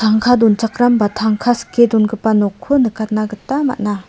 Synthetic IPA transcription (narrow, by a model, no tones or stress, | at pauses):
t̪ʰaŋkʰadont͡ʃak̚ɾambat̪ʰaŋkʰaskʰːedonɡɯpanɔkʰːonɯkat̪̚naɡɯtama̰ʔ̚na